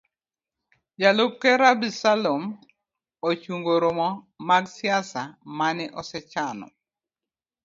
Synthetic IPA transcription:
d͡ʒalʊp̚keɾabisalom | ot͡ʃuŋɡoɾomɔ | maɡsjasamanɪʔɔsɛt͡ʃanɔ̰

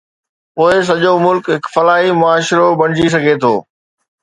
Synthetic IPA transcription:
pʊːes̬ɐʄomʊlkɦɪkfɐlaːɦimʊaːʃɾobɐɽ̤̃d͡ʑis̬ɐɡʱet̪ʰoː

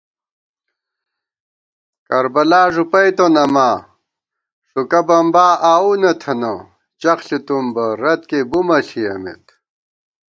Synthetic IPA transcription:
kɐɾbɐlaːʐupɐjt̪onɐmaː | ʂukɐbɐmbaːʔaːunɐt̪ʰɐno | t͡ɕɐxɬit̪umbɐɾɐt̪kebumɐɬiɐ̰mḛt̪

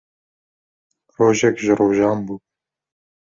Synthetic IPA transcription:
roːʒɛkʒəɾoːʒɑːmbuː

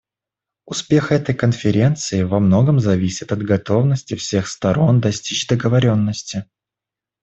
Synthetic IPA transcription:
ʊspʲe̞xɛt̪əjkənfʲɪɾʲe̞nt̪sɨɪvɐmno̞ɡəmzɐvʲisʲɪt̪ɐd̪ɡɐt̪o̞vnəsʲtʲɪfsʲe̞xst̪ɐɾo̞nd̪ɐsʲtʲit͡ɕd̪əɡəvɐɾʲo̞nːəsʲtʲɪ

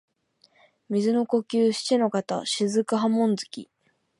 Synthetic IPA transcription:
mʲizɨno̞ko̞kʲɨːɕi̥t͡ɕino̞kat̪a̰ɕizɨkɯ̟ɦamõ̞nd͡zɨkʲḭ

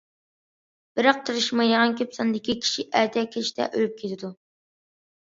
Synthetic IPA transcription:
b̥ɪɾɑq̚t̪ʰɨɾɨʃmɨjɑʁɑnkʲʰøpsɑnd̪ɪkʲikʲʰi̥ʃiʔæɾt̪ʰɛkʲʰɛʃt̪ɛ̰ʔølyp̚kʲʰet̪ʰɪd̪u

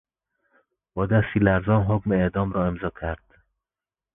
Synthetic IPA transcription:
b̥ɒːd̪æst̪iːlæɾzɒːnɦokmeeʔd̪ɒːmɾɒːemzɒːcʲʰæɾd̪̥

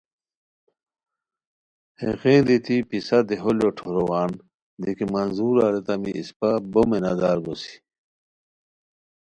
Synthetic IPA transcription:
hḛɣẽːnd̪it̪ipisad̪eɦoljoʈʰoɾowaːn | d̪ikimɐnzuːɾaɾet̪ɐmiʔispabomenad̪aːɾɡosi̥

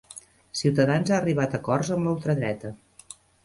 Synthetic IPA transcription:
siwt̪əðanzaːriβ̞at̪əkɔrzəmləlˠt̪ɾəðɾɛt̪ə

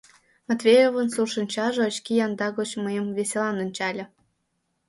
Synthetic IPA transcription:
mɑt̪vʲejovə̆nsurʃə̆nʲt͡ɕɑʒɤ̆ːt͡ɕkijɑnd̪ɑɣot͡ɕməjə̆mvesʲelɑnŏnʲt͡ɕɑlʲɤ̆

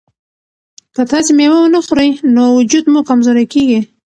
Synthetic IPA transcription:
kət̪ɑsimewəwnəxoɾəjnowʊd͡ʒud̪muɡkamzoɾakeɡi

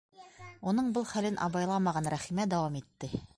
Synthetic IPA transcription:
unɤɴbɤlˠχælɘnʔɑ̰βɑjlˠɑmɑʁɑnɾæχimæd̪æwɑmit̪ːɘ

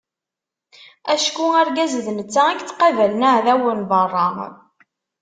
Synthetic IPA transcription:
æʃkuæɾɡæzðnət͡sːaækt͡sːqɑvælnaʕðæwənbɑrˤːɑ

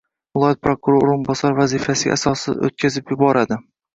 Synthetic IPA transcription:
vɪlˠɒjɒt̪̚pɾokuɾoɾoɾɪmbɒsaɾvazifasɪɡ̰ʲa̰sɒsɪ̰zo̰t̪̚kʲʰazɪpjʊbɒɾad̪ɪ

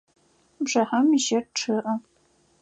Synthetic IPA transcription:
bʐɐħɐmiʒɐrʈ͡ʂʰɨʔɐ

